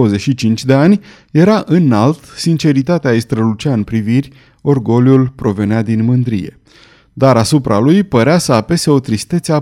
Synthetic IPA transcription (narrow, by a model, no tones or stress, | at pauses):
əzeʃit͡ʃint͡ʃʲd̪e̞anʲ | je̞ɾaʔɨnalt̪sint͡ʃe̞ɾit̪at̪eaist̪ɾəlut͡ʃaɨnpɾivirʲ | o̞rɡo̞ljulpɾo̞ve̞nead̪inmɨnd̪ɾḭje̞̰ | d̪aɾasupɾalujpəɾeasəape̞se̞o̞t̪ɾist̪et̪sea